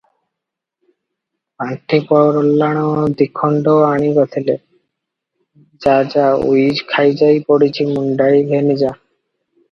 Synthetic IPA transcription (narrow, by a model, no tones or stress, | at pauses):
paɳʈʰipɔɾolːaɽ̃od̪ikʰːoɳɖoaɽ̃iɡɔt̪ʰile | d͡ʑad͡ʑaṵjd͡ʑkʰajd͡ʑajpoɽit͡ɕʰimuɳɖajlenid͡ʑa